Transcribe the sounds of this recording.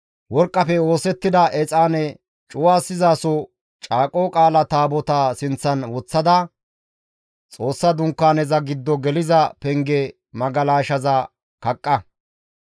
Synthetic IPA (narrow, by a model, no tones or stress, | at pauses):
wɔɾkʼːɐpɛo̞ːsɛt̪ːɪd̪ɐʔɛt͡sʼaːnɛ | t͡ʃʼʊwaːsːɪzaːsɔ | t͡ʃʼaːkʼoːkʼaːlɐt̪aːbɔt̪asɪnt͡sːɐnwɔt͡sːɐd̪ɐ | t͡sʼo̞ːsːɐd̪ʊŋkːaːnɛzɐɡɪd̪ːɔɡɛlɪzɐpɛŋɡɛ | mɐɡɐlaːʃɐzɐ | kɐkʼːɐ